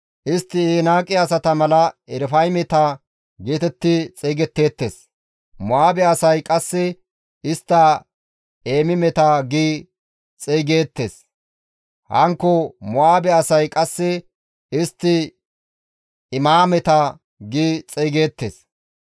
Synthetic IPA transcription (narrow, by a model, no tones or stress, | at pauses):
ʔɪst̪ːɪeːnaːkʼːɪɐsɐt̪ɐmɐlɐɛɾfɐjmɛt̪ɐ | ɡeːt̪ɛt̪ːɪt͡sʼeːɡɛt̪ːe̞ːt̪ːḛs | mɔaːbɛɐsɐjkʼɐsːɪ | ɪst̪ːɐ | eːmɪmɛt̪aɡiː | t͡sʼeːɡe̞ːt̪ːe̞̰ːs | hɐ̰ŋkːɔmɔaːbɛɐsɐjkʼɐsːɪ | ɪst̪ːɪ | ɪmaːmɛt̪ɐ | ɡiːt͡sʼeːɡeːt̪ːḛːs